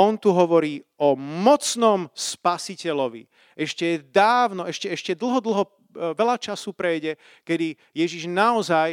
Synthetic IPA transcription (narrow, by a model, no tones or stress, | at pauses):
ɔnt̪uɦɔʋɔɾiːɔmɔt͡snɔmspasicɛlɔʋḭ | ʔɛʃcɛd̪aːʊnɔɛʃcɛɛʃcɛd̪l̩ɦɔd̪l̩ɦɔ | ʋɛʎat͡ʃasuːpɾɛjɟɛ | kɛd̪i | jɛʒiʒnaɔzaj